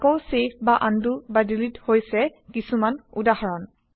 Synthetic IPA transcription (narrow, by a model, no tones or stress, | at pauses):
kɔwsep̚ʰbaʔandubadilithojsɛkisumanudaɦɔɹɔn